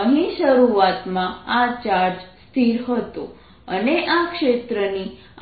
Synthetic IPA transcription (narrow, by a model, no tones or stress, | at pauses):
ɦĩʃəɾuʋat̪mãat͡ʃaɾd͡ʒst̪ʰiɾɦət̪o | əneʔakʃet̪ɾəni